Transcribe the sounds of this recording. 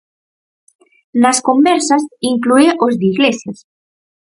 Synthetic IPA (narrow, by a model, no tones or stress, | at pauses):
naskombɛɾsasiŋklueʔozd̪iɣlesjas